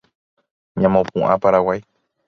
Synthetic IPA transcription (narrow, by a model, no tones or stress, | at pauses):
ɲãmõpũʔãpaɾawaj